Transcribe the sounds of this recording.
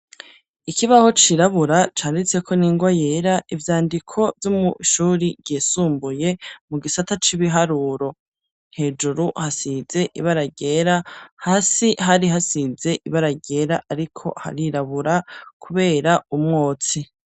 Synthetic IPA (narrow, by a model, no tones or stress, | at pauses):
ikʰiβaho̞t͡ʃiɾaβuɾat͡ʃaːndit͡se̞kʰo̞niːŋɡwaje̞ːɾaivjaːndikʰo̞vjomṵʃuːɾiɟeːsuːmbuje̞muɡisatat͡ʃiβiɦaɾuːɾo̞ | n̥he̞ːd͡ʒuɾuhasize̞ʔḭβaɾaɟe̞ːɾahaːsiɦaɾiɦasize̞ʔiβaɾaɟe̞ɾaʔaɾikʰo̞̰ha̰ɾiɾaβuɾakʰuβe̞ːɾaumŋoːt͡si